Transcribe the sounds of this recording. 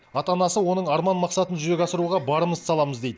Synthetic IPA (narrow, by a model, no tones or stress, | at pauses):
ɑt̪ɑnɑsəwo̞nəɴɑɾmɑnmɑqsɑt̪ənʒʏɾe̞kʲɑsəɾuʁɑbɑɾəməzsɑlˠɑməzd̪e̞jd̪ə